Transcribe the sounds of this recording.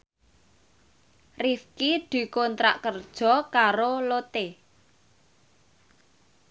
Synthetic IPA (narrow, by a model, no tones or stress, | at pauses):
rifkid̪̥i̤koɔnt̪ɾa̰ʔkərd̥ʒ̥ɔ̤kaɾolot̪e